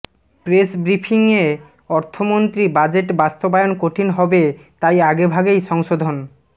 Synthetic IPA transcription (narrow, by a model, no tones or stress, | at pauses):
pɾesbɾipʰiŋe | ɔɾt̪ʰomont̪ɾibad͡ʑeʈbast̪obajonkoʈʰinɦɔbet̪ajaɡebʱaɡejʃɔŋʃod̪ʱon